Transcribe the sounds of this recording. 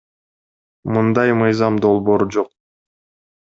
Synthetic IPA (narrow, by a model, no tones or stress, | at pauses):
mɯnd̪ɑjmɯjzɑmd̪o̞lˠbo̞ːɾud͡ʒo̞q̚